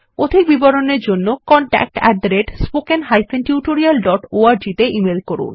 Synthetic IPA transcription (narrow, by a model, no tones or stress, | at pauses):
od̪ʱik̚biboɾoneɾd͡ʑonːokɔɳʈɛ̰k̚ʈɛ̰ʈ̪̚ɾeɖspokenɦajfenʈjuʈoɾialɖɔʈoaɾd͡ʑit̪eʔimelkoɾṵn